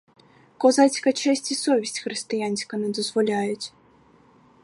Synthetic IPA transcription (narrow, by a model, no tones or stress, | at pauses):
kɔzat͡sʲkɐt͡ʂɛsʲt͡sʲisɔvʲisʲt͡sʲxɾɨst̪ɨjanʲsʲi̥kɐnɨd̪ɐzvɔlʲajut͡sʲ